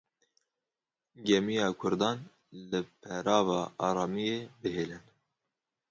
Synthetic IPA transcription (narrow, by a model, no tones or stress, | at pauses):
ɡɛmijɑːkʰʊɾd̪ɑːn | lɨpʰɛɾɑːvɑːʔɑːɾɑːmijeːbɨɦeːlɨn